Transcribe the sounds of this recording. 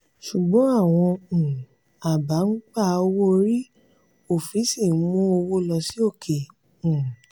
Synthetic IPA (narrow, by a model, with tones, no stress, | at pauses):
ʃu˨ɡ͡bɔ̃˨˦a˦˨w̃ɔ̃˧˨ | a˨ba˨˦n̩˦k͡pa˦˨o˧wo˦˧˦ɾi˦ | o˨fi˨˦si˦˨˦mũ˦o˧wo˦lɔ˧si˦o˦˨kʰẽ˨